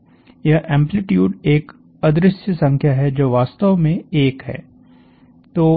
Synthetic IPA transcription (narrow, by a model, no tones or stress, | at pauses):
jɐɦʔɛ̃ːmplɪʈjuːɖeːk | ɐd̪ɾɪsjəsɐ̃ŋkʰjaɦɛd͡ʒoːʋaːst̪əʋmẽeːkɦɛ̰ː | t̪oː